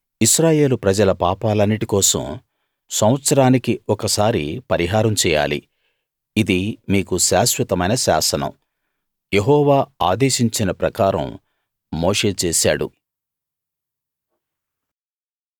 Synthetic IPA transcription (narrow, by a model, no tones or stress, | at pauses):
iʃɾaːje̞ːlupɾɐd͡ʒɐlɐpaːpaːlɐnːiʈikɔːsɐ̰m | sɐm̃ʋɐt̪sɐɾaːnikiɔkɐsaːɾḭpɐɾiɦaːɾɐmt͡ʃɛːja̰ːlḭ | id̪imiːkuʃaːʃwɐt̪ɐmɐjnɐʃa̰ːsɐnɐ̰m | jeɦɔːʋaːaːd̪eːʃiɲt͡ʃinɐpɾɐkaːɾɐ̰mː | oːʂe̞ːt͡ʃeːsa̰ːɽṵ